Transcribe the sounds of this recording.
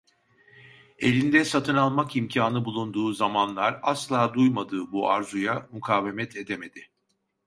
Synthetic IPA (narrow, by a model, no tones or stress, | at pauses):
elʲind̪ɛsat̪ʰɯnalˠmakimcʰaːnɯbulˠund̪uːzamanlˠaɾaslˠaːd̪ujmad̪ɯːbua̰ɾzujamukʰaːve̞mɛt̪ʰe̞d̪eme̞d̪̥ɪ